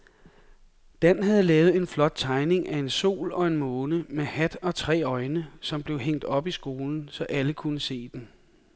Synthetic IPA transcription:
d̥æn̰ɦæð̞̩ˠəlɛːʊð̞̩ˠe̝nflɒ̽d̥̚t͡sʰɑ̈ɪne̝ŋʔæe̝nso̝̰ːlɒ̽e̝nmɔ̽ːnəmehæd̥ɒ̽t͡sʰʁɛ̰ːɒ̽ɪnəsɒ̽mb̥le̝ʊɦeŋ̰d̥ɒ̽b̥isɡ̥o̝ːln̩sɒ̽ʔæləkʰunəse̝̰ːd̥en

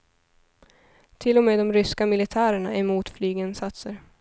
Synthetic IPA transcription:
t̪ʰɪlːɔmeːd̪ɔmɾʏskamɪlɪt̪ʰæːɾəɳaɛmuːt̪flyːɡɛnsat̪səɾ

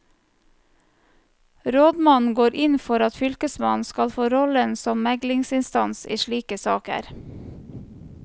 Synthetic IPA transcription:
ɾoːd̪mɑnn̩ɡoːɾʔɪnfɔɾɑt̪fʏlkəsmɑn̩skɑlfoːɾɔlənsɔmmæɡlɪŋsɪnst̪ɑnsḭːʃɭiːkəsɑːkə̰ɾ

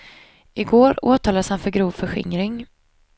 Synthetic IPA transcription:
ʔɪɡoːɾoːt̪ʰɑːlad̪əshanfœɾɡɾuːvfœɧɪ̰ŋɾɪŋ

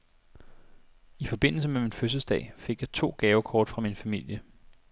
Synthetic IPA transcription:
ifɒ̽b̥e̝n̰l̩səmeminføs̬əl̩sd̥ɛ̰ːfe̝ɡ̥jɑ̈t͡sʰo̝̰ːɡ̥ɛːʊkʰɒːd̥fʁɑ̈minfæmil̰jə

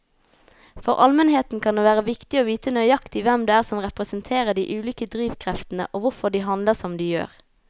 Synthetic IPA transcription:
fɔʁʔɑlmɛnɦeːt̪n̩kʰɑnd̪eːʋæːʁəʋɪkt̪ɪoːʋiːt̪ənœʏjɑkt̪ɪʋɛmd̪eːæːʁsɔmʁɛpʁəsənt̪ʰeːʁəd̪ḭːʔʉːlyːkəd̪ʁiːʋkʰʁɛft̪n̩ə̰ʔoːʋʊfɔɖiːɦɑnləsɔmd̪iːjø̰ːʁ

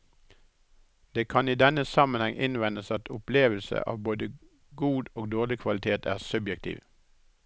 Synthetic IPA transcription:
d̪̥eːkʰɑniːd̪ɛnəsɑmənhɛŋʔɪnʋɛnəsɑt̪ʰʊpleːʋəl̩sə̰ʔɑ̰ːʋboːd̪ə | ɡuːd̪oːɡ̚d̪oːʁlɪkʰʋɑlɪt̪ʰeːt̪ʰæ̰ːʁsʉbjɛk̚t̪ʰḭːʋ

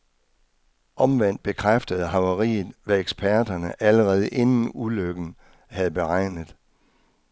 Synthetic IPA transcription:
ʔɒ̽mʋen̰d̥̚b̥e̝kʰʁafd̥əð̞̩ˠɦɑ̈ʊɐʁḭːð̩ˠʋæeɡ̥sb̥ʰæɐ̰d̥ɐnəʔæləʁɛːð̞ˠəʔe̝nn̩uløɡ̥n̩ | hæðˠb̥e̝ʁɑ̈ɪ̰nəð̩ˠ

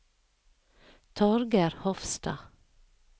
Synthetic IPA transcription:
t̪ʰɔɾɡæɾhɔfst̪ɑ̰

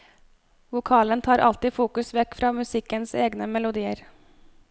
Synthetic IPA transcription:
ʋʊkʰɑːlənt̪ʰɑːɾʔɑ̰lt̪ɪːfuːkʉsʋɛkfɾɑːmʉsɪkənseːɡnəmɛlʊd̪iːəɾ

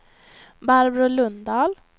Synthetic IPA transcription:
baɾbɾʊlɵnd̪ɑːl

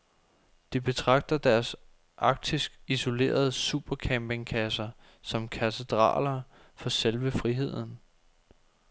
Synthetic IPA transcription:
d̥ib̥e̝t͡sʰʁɑ̈ɡ̥̚d̥ɐd̥æɐs | ʔɑ̈ɡ̥̚d̥isɡ̥iso̝le̝̰ːɐð̞ˠsuːb̥ɐkʰæmb̥e̝ŋkʰæsɐ | sɒ̽mkʰæt͡sʰe̝d̥ʁɑ̰̈ːlɐ | fɒ̽selʋəfʁiɦe̝ð̞̰ˠn̩

